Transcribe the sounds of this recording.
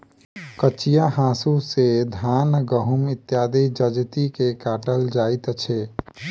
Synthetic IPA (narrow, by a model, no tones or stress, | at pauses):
kət͡ʃijahãːsused̪ʱaːnɡəɦumɪt̪jaːd̪id͡ʒəd͡ʒt̪ikekaːʈəld͡ʒaːɪt̪t͡ʃʰe